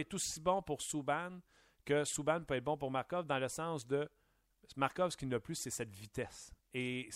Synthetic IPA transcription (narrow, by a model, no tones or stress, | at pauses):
ɛt̪osibɔ̃puʁsuban | kʲəsubanpøɛt̪̚bɔ̃p̬ʊʁmaʁkɔvd̪ɑ̃ləsɑ̃sd̪ə | maʁkɔvsə̥kʲinləplysɛsɛt̪vit̪ɛs | e